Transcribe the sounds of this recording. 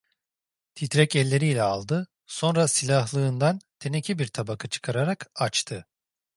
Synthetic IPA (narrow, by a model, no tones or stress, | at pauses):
t̪ʰit̪ɾɛcɛlʲːe̞ɾijlʲɛalˠd̪ɯ | so̞nɾasilʲaɦlˠɯːnd̪ant̪ʰe̞necʰibiɾt̪ʰabakʰat͡ʃʰɯ̥kʰaɾaɾakat͡ʃt̪ʰɯ